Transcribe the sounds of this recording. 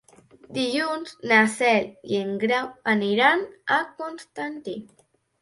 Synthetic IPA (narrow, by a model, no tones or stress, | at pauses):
d̪ijunsnaseljeŋɡɾawaniɾanakonst̪ant̪i